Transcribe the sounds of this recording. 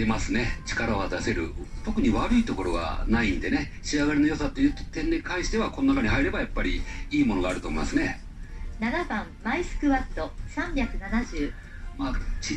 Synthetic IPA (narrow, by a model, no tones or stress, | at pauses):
e̞masɨne̞t͡ɕi̥kaɾaβ̞ad̪ase̞ɾɯ̟̰t̪o̞kɯ̟ɲ̟iβaɾɯ̟it̪o̞ko̞ɾo̞ɡa̰naĩnd̪e̞ne̞ɕiaɡaɾʲinojo̞sat̪ːe̞jɯt̪o̥t̪ẽ̞nːekãɰ̃ɕi̥t̪e̞βako̞nonakaɲ̟ihaiɾe̞bajapːaɾʲiiːmo̞no̞ɡaːɾɯ̟t̪o̞ːmoimasɨne̞ | naɡabãmːaisɨ̥kɯ̟βat̪ːo̞sãmbʲakɯ̟nanaʑɨː | maːt͡ɕi